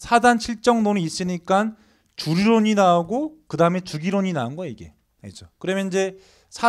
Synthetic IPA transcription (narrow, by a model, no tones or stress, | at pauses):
sʰadanɕʰiɭt͡ɕ͈ʌŋnoniːs͈ɯɲik͈an | t͡ɕuɾiɾoɲinaoɡokɯdaɯme̞t͡ɕuɡiɾoɲinaɯnɡʌiɡe̞̰ | id͡ʑokɯɾʌmjʌniɲd͡ʑe̞ | sʰa